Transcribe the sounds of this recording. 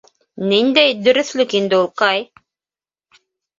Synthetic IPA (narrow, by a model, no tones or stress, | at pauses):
nind̪æjd̪ɵ̆ɾɘ̆θlʲɵkind̪ɘulˠqɑj